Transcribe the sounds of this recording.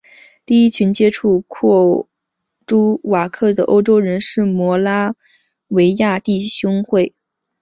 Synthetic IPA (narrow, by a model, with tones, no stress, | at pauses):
t̪i˥˩i˥t͡ɕʰy˧˥nt͡ɕjɛ˥ʈ͡ʂʰu˥˧kʰɔ˥˩ | ʈ͡ʂu˥wa˨˩kʰɤ˥˩d̪ə˩ʔo˥ʊʈ͡ʂo˥ʊɻə˧˥nʂɻ̩˥˩mwɔ˧˥la˥ | we˧˥ɪja˥˧t̪i˥˩ɕʊ˥ŋxwe˥˩ɪ